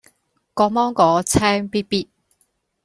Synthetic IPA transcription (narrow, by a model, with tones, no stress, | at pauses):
kɔː˧mɔː˥ŋkɔː˨˧t͡sʰɛː˥ŋpiː˥t̚piː˥t̚